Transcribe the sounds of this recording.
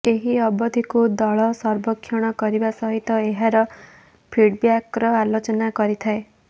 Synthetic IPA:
eɦiɔbɔd̪ʱikud̪ɔɭɔsɔɾbɔkʰːjɔɽ̃ɔkɔɾibasɔɦit̪ɔeɦaɾɔ | pʰiɽbjakɾɔalot͡ʃɔnakɔɾit̪ʰae

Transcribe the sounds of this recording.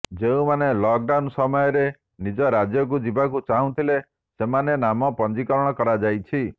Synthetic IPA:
d͡ʒeũmanelɔk̚ɖawnsɔmɔjɔɾe | nid͡ʒɔɾad͡ʒjɔk̬ud͡ʒibakut͡ʃaɦũt̪ʰile | semanenamɔpɔnd͡ʒikɔɾɔɽ̃ɔkɔɾad͡ʒajt͡ʃʰi

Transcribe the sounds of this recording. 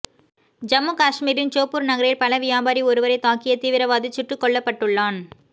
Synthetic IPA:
d͡ʒɐmukaːʂmiːɾɪnt͡ʃoːpːɯɾnɐɣɐɾɐjɪlpɐlɐʋɪjaːbaːɾiɔɾɯʋɐɾɐɪt̪aːkːɪjɐt̪iːʋɪɾɐʋaːðɯt͡ʃːɪʈrɯkːɔɭːɐpːɐʈːɯɭːaːn

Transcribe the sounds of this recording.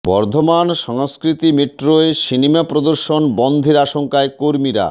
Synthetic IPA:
bɔɾd̪ʱomanʃɔŋskɾit̪imeʈɾoeʃinimapɾod̪oɾʃonbɔnd̪ʱeɾaʃoŋkaekoɾmiɾa̰

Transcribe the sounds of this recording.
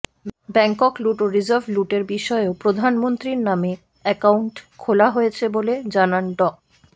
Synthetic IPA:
bɛŋkokluʈoɾid͡ʑaɾbʱluʈeɾbiʃɔeopɾod̪ʱanmont̪ɾiɾname | ɛkauɳʈkʰolaɦojet͡ɕʰeboled͡ʑananɖɔk

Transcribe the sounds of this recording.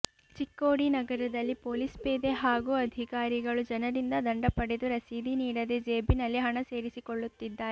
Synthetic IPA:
t͡ʃikːoːɽinɐɡɐɾɐd̪ɐlːipoːlispeːd̪eɦaːɡuːɐd̪ʱikaːɾiɡɐɭud͡ʒɐnɐɾind̪ɐd̪ɐɳɖɐpɐɽe̞d̪uɾɐsid̪ʱiniːɽɐd̪ed͡ʒe̞ːbinɐlːiɦɐɳɐse̞ːɾisikoɭːut̪ːid̪ːaːɾe

